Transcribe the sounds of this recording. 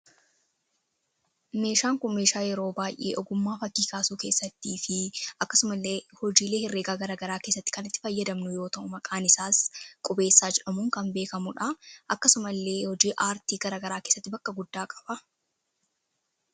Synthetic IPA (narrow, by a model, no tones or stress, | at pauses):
me̞ːʃaːŋkʊnme̞ːʃaːjɛɾo̞ːbaːjʔḛːʔɔɡʊmːaːfɐkːiːkaːsuːke̞ːsːɐt̪ːiːfɪʔɐkːɐsʊmɐlːeːhɔd͡ʒiːle̞ːhɪrːe̞ːɡaːɡɐɾaːɡɐɾaːkeːsːɐt̪ːɪ̥kɐnɪt̪ːɪ̥fɐjːɐd̪ɐmnʊjo̞ːt̪ɐʔʊmɐkʼaːnɪsaːskʼʊbe̞ːsːaːd͡ʒɛᶑɐmʊŋkɐmbe̞ːkɐmʊᶑɐʔɐkːɐsʊmɐlːe̞ːhɔd͡ʒiːʔaːɾt̪iːɡɐɾaːɡɐɾaːkeːsːɐt̪ːɪbɐkːɐɡʊd̪ːaːkʼɐ̥b̥ɐ